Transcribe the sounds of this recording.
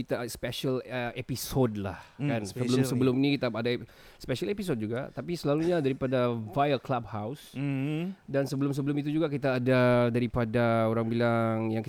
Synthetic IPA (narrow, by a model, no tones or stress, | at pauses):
it̪aspɛʃəlepisodla̰hkanssəbəlʊmsəbəlʊmnikit̪aada | speʃalepis̬od̚d͡ʒuɡa̰t̪apisəlaluɲadaɾipadavajəklab̚haws | dansəbəlʊms̬əbəlʊmit̪̬ud͡ʒuɡakit̪aːdadaɾipadaoɾaŋbilaŋjaŋki